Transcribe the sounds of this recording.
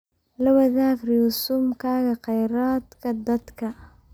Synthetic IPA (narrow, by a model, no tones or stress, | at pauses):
lɐwɐðaːɡrijuːsʊmkʰaːɣɐqɑjɾaːd̪kʰɐd̪ɐd̪kʰɐ